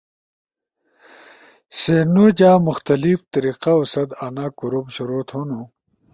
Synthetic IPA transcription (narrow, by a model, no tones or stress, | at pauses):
senud͡ʑaːmuxt̪ɐlift̪ɐɾiːqausɐd̪anakuɾubɕuɾoːt̪hunu